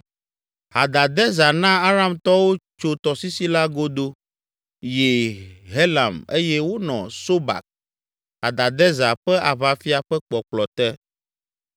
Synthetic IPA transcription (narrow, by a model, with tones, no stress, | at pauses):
ha˨d̪a˨d̪ɛ˦za˨nã˦a˦ɾa˦mt̪ɔ˦wo˦t͡ʃo˦t̪ɔ˨si˦si˦la˦ɡo˦d̪o˦ | je˨ɦe˦la˨me˦jɛ˦wo˦nɔ̰̃˨so˦ba̰˨k̚ | ɦa˨d̪a˨d̪ɛ˦za˨ɸɛ˦ʔa˨βa˨fi˦a˨ɸɛ˦k͡pɔ˨k͡plɔ˨t̪ɛ˦